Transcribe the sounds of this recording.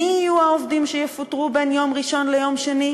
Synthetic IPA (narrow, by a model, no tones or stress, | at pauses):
iijuaovd̪imʃejefutʁubenjo̞mʁiʃo̞nlejo̞mʃeni